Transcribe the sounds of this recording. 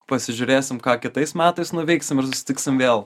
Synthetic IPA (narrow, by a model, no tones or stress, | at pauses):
pɐsʲɪʒʲʊɾʲeːsʲɪmkɑːkʲɪt̪ɐɪsmʲæːt̪ɐɪsnʊʋʲɛɪksʲɪmɪɾsʊsʲɪ̥t̪ʲɪksʲɪmʋʲeːlˠ